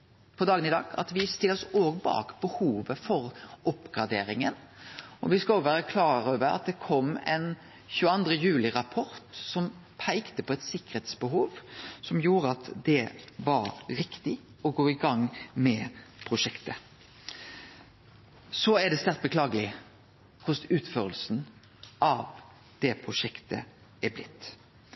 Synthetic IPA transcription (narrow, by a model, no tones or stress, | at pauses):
pʰɔd̪ɑːɡənɪd̪ɑ̰ːɡɑ̰t̪ʋɪst̪ɪlɔsoːɡbɑ̰ːkb̥əhuːʋəfɔɾɔpːɡɾɑd̪ḛːɾɪŋən | ɔ̰ʋɪskɑɔɡʋæːɾəkʰlɑːɾøːʋəɾɑ̰t̪̚d̪ɛkʰɔmːɛ̰n | çʉːəɑnd̪ʁəjʉːlɪɾɑpʰɔɾt̪sɔmpʰæɪkt̪əpʰɔɛt̪sɪkːə̥ʁheːt̪sbəɦuːʋsɔmjuːɾəɑt̪d̪ɛʋɑɾɾɪkt̪ɪ | ɔɡoːɪɡɑŋmɛpʰɾʊʂɛkt̪ə | sɔæɖ̪ɛst̪æʁt̪̚bəklɑːɡəlɪ | kʰʊsʉːt̪føːɾəlsn | ʔɑʋ | d̪̥ɛpʰɾʊʂɛkt̪ʰə̰ | æblɪt̪ː